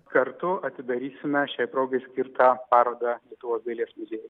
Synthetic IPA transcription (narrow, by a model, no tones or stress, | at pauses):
kɐɾt̪ʊɐt̪ʲɪd̪ɐɾʲiːsʲɪmʲɛʃʲɛɪpɾoːɡɐɪsʲkʲɪɾt̪ɑːpɑːɾoːd̪ɐlʲiɛt̪ʊʋoːsbʲɛːlʲiɛsmʊzʲeːjɛ